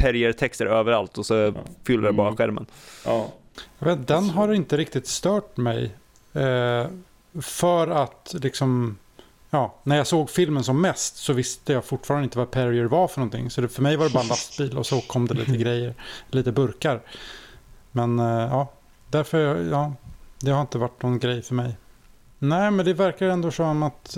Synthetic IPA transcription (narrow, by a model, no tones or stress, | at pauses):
pʰæɾɪəɾt̪ʰɛkst̪əɾøːvəɾalt̪ɔsɔfʏlːədɛbɑːɾaɧæ̰ɾmə̰n | jɑɡveːt̪d̪ɛnɦaɾɪnt̪əɾɪk̚t̪ɪt̪st̪œːʈmɛj | fœɾat̪lɪksɔm | jɑːnæɾjaːsoːɡfɪlmənsɔmːɛst̪sɔvɪst̪əjaːfʊʈːfɑːɾanɪnt̪əvapʰæɾɪəɾvaɾfœɳɔnt̪ʰɪ̰ŋːsɔd̪ɛfœɾmɛjvad̪ɛband̪ast̪biːlɔ̰sɔkʰɔmd̪ɛlḭːt̪əɡɾɛjːəɾliːt̪əbɵɾkaɾ | mɛnjɑː | d̪æɾfœɾjɑːd̪ɛhaɾɪnt̪əvaʈːnɔnɡɾɛjfœɾmɛj | nɛːmɛnd̪ɛvæɾkaɾɛnd̪oːsɔmːat̪